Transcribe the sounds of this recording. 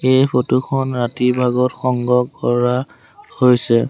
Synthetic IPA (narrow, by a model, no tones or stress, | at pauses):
ejpʰotuxʰɔnɹatibʱaɡɔtxɔŋɡɔkɔɹa | hojsɛ